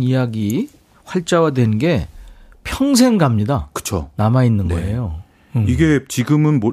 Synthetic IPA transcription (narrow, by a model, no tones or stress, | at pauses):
nijaɡi | ɸwaɭt͡ɕ͈awadwe̞nnɡe̞pʰjʌŋs̬ʰeŋɡamɲidakɯ̥t͡ɕʰo̰namainːɯnɡʌejo | iɡet͡ɕiɡɯmɯnmo